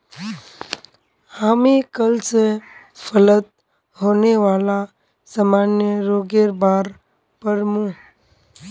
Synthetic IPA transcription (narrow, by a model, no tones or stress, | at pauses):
aːmikəlse | fʰələt̪̚ | ɦoːneʋaːla | samaːnjəɾoːɡeɾbaːɾ | pəɾmũː